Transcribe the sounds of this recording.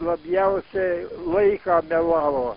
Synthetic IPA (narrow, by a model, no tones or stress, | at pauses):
lːɑmiæoseleikɑːmiælɑlo